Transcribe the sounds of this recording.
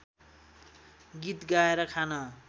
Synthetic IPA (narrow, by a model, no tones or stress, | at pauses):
ɡit̪ɡaeɾʌkʰanʌ